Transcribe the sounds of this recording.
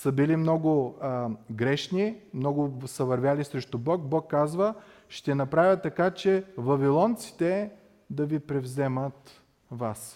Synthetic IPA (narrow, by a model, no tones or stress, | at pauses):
sɐbilimnɔɡʊ | ɡɾɛʃnimnɔɡʊsɐvɐɾvʲjalisɾɛʃt̪ʊbɔkbɔkːazvə | ʃt̪ɛnɐpɾavʲət̪ːɐkat͡ʃɛvɐvilˠɔnt̪si̥t̪ɛ | d̪ɐvipɾɛvzɛmət̪ | vas